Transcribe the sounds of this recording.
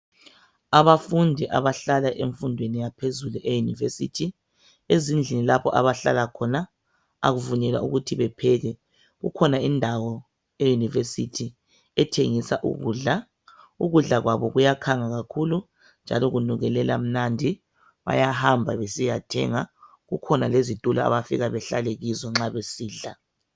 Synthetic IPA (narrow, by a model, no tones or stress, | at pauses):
aβafundʱiʔa̰βaɬalaʔeɱfundʱwenijapʰezuluʔejunḭvesḭtʰi | ezind͡ɮʱinilapʰɔʔa̰βaɬa̰lakʰɔna | a̰ɣuvuɲɛlwa̰ʔuɣutʰiβɛpʰɛɣɛ | ɣṵkʰɔnaindʱawɔ | ejunivesitʰi | ɛtʰeŋisaʔṵɣṵːɮa | uɣuɮaɣwaβɔɣujakʰaŋaɣakʰulu | nd͡ʒʱa̰lɔɣunuɣɛlɛla̰m̩nandʱi | βa̰jahambʱaβesijatʰɛ̰ŋa | ɣukʰɔnalezitʼula̰a̰βafiɣaβɛɬaleɣizɔŋ͡ǁaβesiːɮa